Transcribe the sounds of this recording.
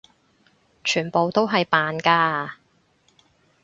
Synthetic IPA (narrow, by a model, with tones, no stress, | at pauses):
t͡ʃʰyː˨˩npo˨˧wt̪o˥wɦɐ˨jpaː˨nkaː˧